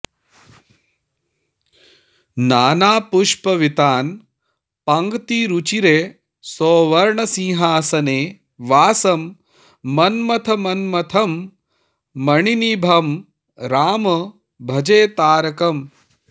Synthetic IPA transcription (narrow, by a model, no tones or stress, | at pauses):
naːnaːpuʂpɐʋit̪aːn | pɐŋɡt̪iɾut͡ʃiɾeː | soːʋɐɾɳɐsĩŋɦaːsɐneː | ʋaːsɐmː | ɐnmɐt̪ʰɐmɐnmɐt̪ʰɐmː | ɐɳinibʱɐm | ɾaːmɐ | bʱɐd͡ʒeːt̪aːɾɐkɐm